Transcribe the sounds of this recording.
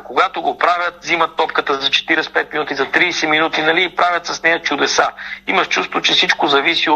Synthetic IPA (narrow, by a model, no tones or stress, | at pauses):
koɡat̪oɡopɾavʲjət̪̚zimɐt̪ːɔpkət̪əzɐt͡ʃɛ̥t̪iɾɛspɛt̪̚minut̪izɐt̪ɾiːsɛminut̪inɐliːpɾʔavʲjɐt̪sɐsnɛjɐt͡ʃʊd̪ɛsa̰imɐʃt͡ʃust̪vot͡ʃɛsit͡ʃkozɐvisi